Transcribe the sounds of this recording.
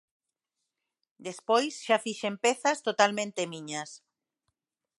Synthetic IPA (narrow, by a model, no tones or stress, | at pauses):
d̪espojsʃafiʃempeθast̪ot̪almẽnt̪emĩɲas